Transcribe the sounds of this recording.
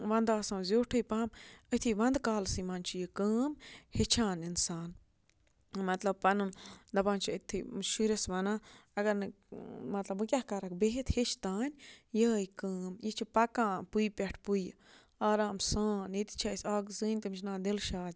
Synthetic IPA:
ʋɐ̃nd̪aːsãːnzʲoːʈʰɨjpaːmət̪ʰiʋɐ̃nd̪kaːlsimaːnʲt͡ʃʰijikəːmhet͡ʃʰãːninsaːn | mɐt̪lɐb̚pɐnɨmd̪ɐpãːnt͡ʃʰiət̪ʰiʃuɾʲɐsʋɐnãːɐɡɐɾnɨ | mɐt̪lɐbmɨkʲahkɐɾɐkbeɦit̪het͡ʃʰt̪aːnʲjəːjkəːmjit͡ʃʰipɐkãːpujpʲɛʈʰpuj | aːɾaːmsãːnit̪i̥t͡ʃʰaːsaːɡzɨːnʲt̪ɨmt͡ʃʰnãːd̪ilʃaːd̪ʲ

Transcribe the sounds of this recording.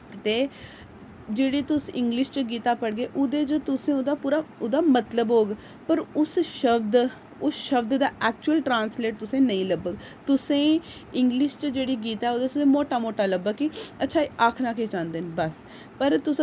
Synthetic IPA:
t̪eː | d͡ʒeːɽiːt̪ʊsɪŋɡlɪʃt͡ʃəɡiːt̪aːpəɽɡeːʔʊd̪eːt͡ʃt̪ʊsẽːʊd̪aːpuːɾaːʊd̪aːmət̪ləbɦoːɡ | pəɾʊsʃəbd̪ | ʊsʃəbd̪d̪aːʔɛːk̚t͡ʃuəlʈɾãːnsleːʈ̚t̪ʊsẽːnəĩːləbəɡ | t̪ʊsẽː | ɪŋɡlɪʃt͡ʃd͡ʒeːɽiːɡiːt̪ɛːoːd̪eːt̪ʊsẽːmoːʈaːmoːʈaːləbəɡkːiətːʃʰaːiʔaːkʰnaːkeːt͡ʃãːnd̪eːnbəs | pəɾt̪ʊs

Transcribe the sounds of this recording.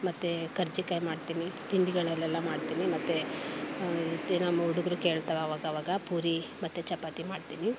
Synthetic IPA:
mɐt̪ːekɐɾd͡ʒikɐːjmaːɖt̪iːnit̪iɳɖiɡɐɭɛlːɛlːɐmaːɖt̪iːnimɐt̪ːe | enaːmːɐuɽuɡɐɾukeːɭt̪ɐʋeaːʋaːɡaːʋaːɡɐpuːɾimɐt̪ːut͡ʃɐpːat̪imaːɖt̪iːni

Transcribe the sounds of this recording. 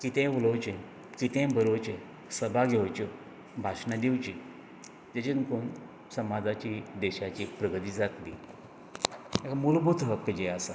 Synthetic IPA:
kit̪ẽulowt͡ɕẽ | kit̪ẽbəɾowt͡ɕẽ | səbʱaɡʱeʋt͡ɕo | bʱasɕnad̪iwt͡ɕi | d͡ʑet͡ɕinkon | səmad͡zat͡ɕid̪ɛɕat͡ɕipɾəɡt̪iːd͡zat̪lḭ | ekamulbut̪ɦəkːd͡ʑeasa

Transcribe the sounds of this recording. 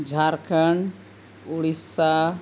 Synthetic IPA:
d͡ʒʱaɾkʰəɳ | uɽisa

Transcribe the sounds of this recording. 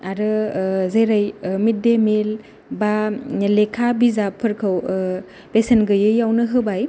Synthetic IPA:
aɾɯzeɾajmit̚demel | balekʰabizapʰɯɾkʰɯw | pesenɡɯjɯjawnɯɦɯbaj

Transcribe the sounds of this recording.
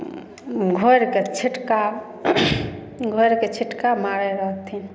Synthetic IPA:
ɡʱoɾket͡ʃʰiʈka | ɡʱojɾket͡ʃʰiʈkamaɾɛɾəɦt̪ʰin

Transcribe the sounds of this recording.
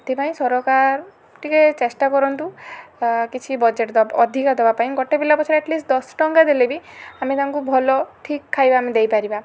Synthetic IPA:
t̪ipaĩsɔɾɔkaɾ | ʈiket͡ʃesʈakɔɾɔnt̪u | kit͡ʃʰibɔd͡ʒeʈd̪ɔɔd̪ʱikad̪ɔbapaĩɡɔʈebilapɔt͡ʃʰɔɾeɛʈlisʈd̪ɔsʈɔŋɡad̪elebiamit̪aŋkubʱɔlɔʈʰikʰːajbaːmid̪ejpaɾiba

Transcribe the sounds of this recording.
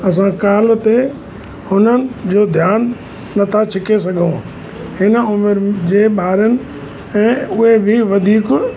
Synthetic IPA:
ɐs̬ãkaːlt̪e | hʊnənɪ̆d͡ʑoːd̪ʱjaːnː | ɐt̪ʰat͡ɕʰɪkes̬ɐɡʱũ | hɪnəʊmeɾd͡ʑeːɓaːɾənɪ̆ | ɛ̃ːʊɦebʱiʋɐd̪ʱiːk

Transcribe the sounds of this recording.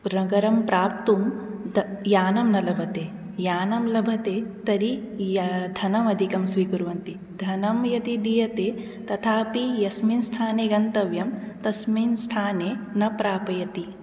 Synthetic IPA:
ɾɐɡɐɾɐmpɾaːp̚t̪umd̪jaːnɐmnɐlɐbʱɐt̪eː | jaːnɐmlɐbʱɐt̪eːt̪ɐɾijd̪ʱɐnɐmɐd̪ʱikɐmsʋikuɾuʋɐnt̪i | d̪ʱɐnɐmjɐt̪id̪ijɐt̪eː | t̪ɐt̪ʰaːpijɐsminst̪ʰaːneːɡɐnt̪ɐʋjɐm | t̪ɐsmiːnst̪ʰaːneːnɐpɾaːpɐjɐt̪i

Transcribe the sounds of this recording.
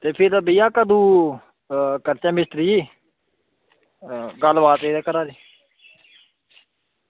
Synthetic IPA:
t̪eːpʰɪɾbijaːkad̪uː | kəɾt͡ʃãːmɪst̪ɾiːiː | ɡəlbaːt̪eːd̪ɛːkəɾaːɾiː

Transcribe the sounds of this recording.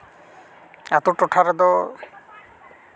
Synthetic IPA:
at̪ɔʈɔʈʰaɾɛd̪ɔ

